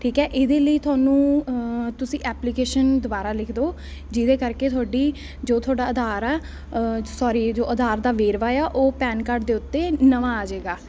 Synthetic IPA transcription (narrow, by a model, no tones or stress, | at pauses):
ʈʰiːkɦɛːʔɪd̪eːləiːt̪ʰʊaːnũːt̪ʊsĩːʔɛːplikeːʃənd̪ʊbaːɾaːlɪkʰd̪oː | d͡ʒɪd̪eːkəɾkeːt̪ʰʊaːɖiː | d͡ʒoːt̪ʰʊwaːɖaːəd̪ʱaːɾaː | sɔːɾiːd͡ʒoːʔəd̪ʱaːɾd̪aːʋeːɾʋaːjaːʔoːpɛːnkaːɾɖd̪eːʊt̪ːeːnəʋãːaːd͡ʒeːɡaː